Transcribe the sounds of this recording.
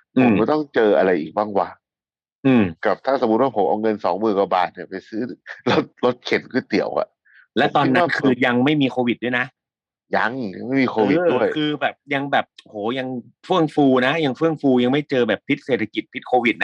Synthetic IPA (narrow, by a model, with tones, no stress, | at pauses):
ʔɯ˨˦˨t̪ɔ˥˩ŋt͡ɕɤː˧ʔa˧ɾa˧jʔḭː˨˩k̚baː˥˩ŋwaː˧˩ | ʔɯː˧˩mka˨˩p̚t̪ʰaː˥˩so˨˩˦mu˦˥t̪̚waː˥˩pʰo˨˦ʔa˧wŋɤ˧nsɔ̰ː˩˦ŋmɯː˨˩nkwa˧ba̰ː˨˩t̪̚ni˧˩ɐpa˧jsɯː˦˥˩lo˦˥t̪̚lo˦˥t̪̚kʰe˨˦nkʰɯ˥˩t̪i˨˩˦əwʔa̰˨˩ʔ | lɛ˦˥t̪ɔː˧˥˧nːa˦˥kʰɯː˧ja˧ŋma˥˩jmiː˧kʰoː˧wi˨˩t̪̚du˥˩jna˦˥ʔ | ja̰˧ŋja˧ŋma˥˩jmiː˧kʰoː˧wi˨˥du˥˩əjkʰɯː˧bɛː˨˩p̚ja˧ŋbɛː˨˩p̚hoː˩˦ja˧ŋfɯ˥˩əŋfuː˧na˦˥ja˧ŋfɯ˥˩əŋfuː˧ja˧ŋma˥˩jt͡ɕɤː˧bɛː˨˩p̚p̪ʰi˦˥t̪̚seː˨˩t̪ʰa˧ki˨˩t̪̚pʰi˦˥t̪̚kʰoː˧wi˨˩t̪̚na˦˥